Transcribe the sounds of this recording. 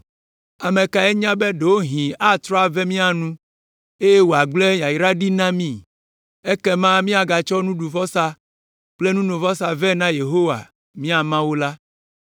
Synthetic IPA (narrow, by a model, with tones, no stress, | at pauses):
a˨mẽ˨ka˨ɛ˦ɲã˦be˦ɖe˨wo˦ɦĩ˨a˦t̪ɾɔ˦a˨vɛ˦mĩ˦a˨nũ˦ | e˦je˦wo˨a˨ɡ͡ble˦jã˨i˨ɾa˦ɖi˦nã˦mĩ˦ | e˦kɛ˦mã˦mĩ˦a˨ɡa˨t͡ʃɔ˦nũ˦ɖu˨vɔ˦sa˦ | k͡ple˦nũ˦nõ˨vɔ˦sa˨vɛ˦nã˦je˨ɦo˦wa̰˨ | mĩ˦a˨mã˦wo˦la˦